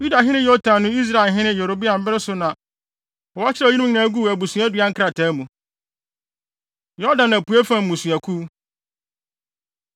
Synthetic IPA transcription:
ju˦da˨ɦɪ̃˦ɪ̃˦jɔ˦tʰã˨nʊ̃˦i˦s̬ɾa˦˨ɛ˨ɦɪ̃˦nɪ̃˦jo˨ɾo˨bi˦a˨m̩˨bɪ˦ɾɪ˦sʊ˨nã˨ | ɔ˨a˦t͡ɕʰɪ˦a˨ji˦ñ˦˨nã˨˦ɡu˦˨æ˨bu˨sũ˨˦æ˦dɥa˦ŋ̩˦kʰɾa˨tʰaː˨˦mũ˨ | jɔ˦dã˨nã˨pu˨e˦fã˦˨m̩˨mũ˨sũ˨æ˨kʰu˦

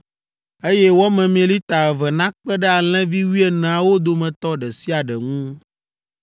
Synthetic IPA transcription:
e˦jɛ˦wɔ˦mɛ̃˨mĩ˨e˨li˦t̪a˨ɛ˨vɛ˨nã˦k͡pɛ˦ɖɛ˦a˨l̃ɛ̃˦vi˦wi˦ɛ˨nɛ̃˨a˨wo˦d̪o˨mɛ̃˨t̪ɔ˦ɖɛ˨si˦a˨ɖɛ̰˨ŋũ˦

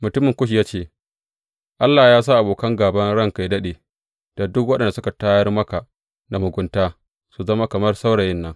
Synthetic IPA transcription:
mʊ˨tʊ˦mɪ˨ŋkʷʊ˦ʃ̬i˨jaː˦t͡ʃeː˦˨ | ʔa˦lːaː˨jaː˦s̬aː˦ʔa˨boː˨kɐ˦ŋɡaː˨bɐ˦nɽɐ˦ŋka˨jdɐ˦ɗeː˨ | d̥a˨dʊ˦kwɐ˦ɗɐ˨nda˨sʊ˦ka˨taː˦jɐ˦rmɐ˦ka˨ | na˨mʊ˨ɡʷʊ˦ntaː˦ | su˨zɐ˦ma˦kɐ˨mɐ˦rsa˦wɽɐ˨jɪ˦nːɐ˦ŋ

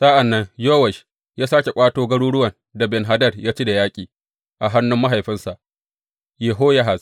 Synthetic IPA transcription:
sa˦ʔa˨nːɐ˦ŋjoː˦wɐ˨ʃ | jaː˦saː˦kʲe˨kʷʼaː˦toː˦ɡɐ˦ɽuː˦ɽʊ˦wɐ˨n | da˨bɛ˨nɦa˨dɐ˦rjaː˦t͡ʃi˦da˨jaː˦kʲʼiː˨ | ʔa˨ɦa˦nːʊ˦mːa˦ɦa˨jɸɪ˦nsa˨ʔ | jeː˨ɦoː˦ja˦ɦa˨z

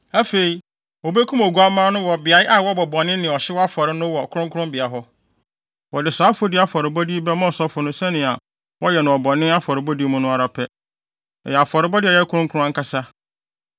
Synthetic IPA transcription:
æ˦fe˨i˨ | wɔ˨be˦kʰũ˦mo˨ɡu˦a˦mãː˦nʊ̃˦wɔ˨bɪ˨a˨ɪ˦ʔa˦wɔ˦bɔ˨bɔ̃˨nɪ̃˦nːɪ̃˨ɔ˨ɕɪ˦wɔ˦a˦fɔ˨ɾɪ˦nʊ̃˦wɔ˨kʰʊ˦ɾʊ̃˦ŋkʰʊ̃˦mbɪ˨a˨ɦɔ˦ | wɔ˨dɪ˨saː˨˦fʊ˦dɪ˦a˨fɔ˨ɾɪ˨bɔ˦di˦bɛ˦mɔ̃˦ɔ˨sɔ˦fʊ˨nʊ̃˦sɛ̃˦nɪ̃˨a˨ | wɔ˦jɛ˨nʊ̃˨ɔ˨bɔ̃˨nɪ̃˦a˦fɔ˨ɾɪ˨bɔ˦di˦mʊ̃˦nʊ̃˦a˨ɾa˨pʰɛ˦ | ɛ˨jɛ˨a˨fɔ˨ɾɪ˦bɔ˦dɪ˦ɛ˨jɛ˦kʰʊ˦ɾʊ̃˦ŋ˦kʰʊ̃˦a˦ŋ̩˦kʰa˦sa˦

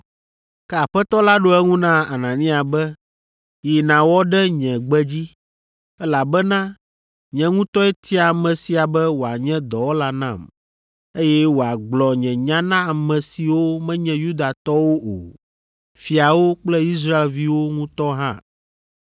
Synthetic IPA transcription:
kɛ˦a˨ɸɛ˦t̪ɔ˦la˦ɖo˦ɛ˦ŋũ˦nã˦a˨nã˨nĩ˦a˨bɛ˦ | ji˨nã˨wɔ˦ɖɛ˦ɲɛ̃˨ɡ͡bɛ˦d͡ʑi˦ | ɛ˦la˨bɛ˦nã˦ | ɲɛ̃˨ŋũ˦t̪ɔ˦ɛ˦t̪ʰi˦a˨mɛ̃˨si˨a˨bɛ˦wo˨a˨ɲɛ̃˦d̪ɔ˨wo˦la˦nã̰˦˨m | e˦jɛ˦wo˨a˨ɡ͡blɔ˨ɲɛ̃˨ɲã˦nã˦a˨mɛ̃˨si˨wo˦mɛ̃˦ɲɛ̃˦ju˦d̪a˨t̪ɔ˦wo˦ʔo̰˨ | fi˨a˨wo˦k͡plɛ˦i˦s̬ɾa˦e˨lvi˦wo˦ŋũ˦t̪ɔ˦ɦã̰˦

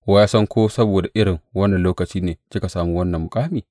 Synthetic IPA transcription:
wa˦jaː˦sɐ˦ŋkʷoː˦sɐ˦boː˨da˨ʔɪ˦ɽɪ˨ŋwɐ˦nːɐ˨loː˦kɐ˨t͡ʃiː˦neː˨sɪ˦ka˨saː˨mu˦wɐ˦nːɐ˨mːʊ˨kʼaː˦miː˨

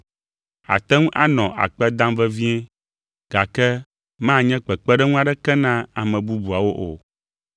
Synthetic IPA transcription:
a̰˨t̪ɛ˦ŋũ˦ʔa˦nɔ̃˨a̰˨k͡pɛ˦d̪ã˦mvɛ˦vi˦ɛ̃˦ | ɡ̥a˨kɛ˦ | mã˦˨ɲɛ̃˦k͡pɛ˨k͡pɛ˦ɖɛ˦ŋũ˦a˨ɖɛ˦kɛ˦nã˦a˨mɛ̃˨bu˦bu˨a˨wo˦ʔo̰˨

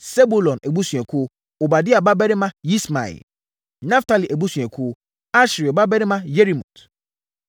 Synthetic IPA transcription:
sɛ˦bu˦lɔ̃˨nɛ˨bu˦sũ˨ɛ̃˨kʰʊ˦ | o˨ba˨dɪ˦a˨ba˦bɛ˦ɾɪ˦mã˦ji˦sma̰˨ḭ˨l | nã˦fta˦li˨ʔɛ˨bu˦sũ˨ɛ˨kʰʊ˦ | a˦ʃɾi˨ɔ˨ba˦bɛ˦ɾɪ̃˦mã˦je˦ɾi˨mṵ̃˨t

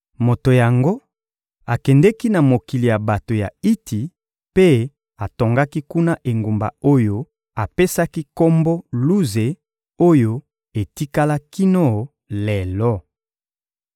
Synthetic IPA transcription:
mo˨to˨ja˨ŋɡo˦ | a˨kɛ˨ndɛ˦ki˦na˨mo˨ki˨li˨ja˨ba˨to˨ja˨i˦tʰi˨ | pe˦ | a˨to˨ŋɡa˦ki˦ku˦na˦ʔe˨ŋɡo˨mba̰˨o˦jo˦ | a˨pe˦sa˦ki˦ko˦mbo˦lu˦ze˨ | o˦jo˦ | e˨ti˦ka˦la˦ki˦no˦˨ | lɛ˨lɔ˦

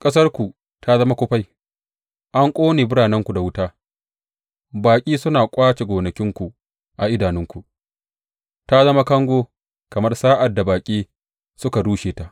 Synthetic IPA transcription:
kʼɐ˦s̬ɐ˦rkʷu˨ | tʰa˦zɐ˦ma˦kʷʊ˦ɸa˦j | ʔa˦ŋkʷʼoː˦neː˨bʊ˦ɽaː˨nɛ˦ŋkʷu˨da˨wʊ˦taː˦ | baː˨kʲʼiː˦sʊ˦naː˨kʷʼaː˦t͡ʃe˨ɡʷoː˨nɐ˨kʲɪ˦ŋkʷu˨ | ʔa˨ʔɪ˦daː˨nɪ˦ŋkʷu˨ʔ | ta˦zɐ˦ma˦kɐ˦ŋɡʷoː˦ | kɐ˨mɐ˦rsaː˦ʔa˨dːa˨baː˨kʲʼiː˦ | sʊ˦ka˨ɽuː˦ʃeː˨ta˦ʔ

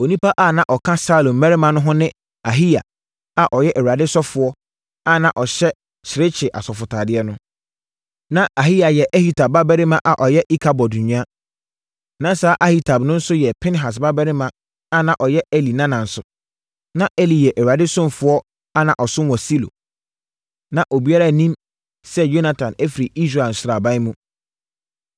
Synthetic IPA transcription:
o˨nĩ˦pa˦ʔa˦˨nã˨ʔɔ˨kʰã˦sa˦lõ˨mmɛ̃˦ɾɪ˦mã˨nʊ̃˦ɦʊ̃˦nɪ̃˦ | a˨ɦi˦ja̰˨ | a˨ʔɔ˨jɛ˦ʔɛ˨wu˨ɾa˨dɪ˦sɔ˦fʊ˨˦ɔ˦ | a˦nã˨ʔɔ˨ɕɛ˦ | ɕʰɪ˨ɾɪ˦t͡ɕʰɪ˨ʔa̰˨sɔ˨fʊ˨tʰaː˨dɪ˦ɛ˦nʊ̃˦ | nã˦ʔa˨ɦi˦ja˨jɛ˨ʔɛ˦hi˦tʰa˨ba˦bɛ˦ɾɪ˦mã˨ʔa˨ʔɔ˨jɛ˦ʔi˦kʰa˨bɔ˨dũ˨ɲᶣã˦ | nã˦saː˦ʔa˦hi˦tʰa˨bnʊ̃˦n̩˦sʊ˦jɛ˨pʰɪ̃˦n˦ɦa˨s̬ba˦bɛ˦ɾɪ˦mã˨ | a˦nã˨ʔɔ˨jɛ˦e˦li˨nã˦nã˨n̩˨sʊ˨ | nã˦ʔɛ˦li˨jɛ˨ʔɛ˨wɾa˨dɪ˦sʊ̃˦m˨fʊ˨˦ɔ˦ | a˦nã˨ʔɔ˨sʊ˦wɔ̃˨si˦lo̰˨ | nã˨ʔo˨bi˦a˦ɾa˦˨nĩ˦m | sɛ˦jo˦na˨tʰã˨nɛ˦fi˨ɾi˨i˦s̬ɾa˨n̩˨sʊ˦ɾa˨bã˦ɪ˦mũ˦

